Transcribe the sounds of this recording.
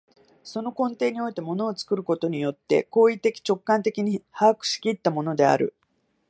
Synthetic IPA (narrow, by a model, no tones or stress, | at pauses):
so̞no̞kõ̞nt̪e̞ːɲ̟io̞it̪e̞mo̞no̞ːt͡sɨ̥kɯ̟ɾɯ̟ko̞t̪o̞ɲ̟ijo̞t̪ːe̞̰ko̞ːit̪ːe̞kʲi̥t͡ɕo̞kːãnt̪e̞kʲiɲ̟ihaːkɯ̟̥ɕi̥kʲit̪ːamo̞no̞d̪e̞a̰ɾɯ̟̰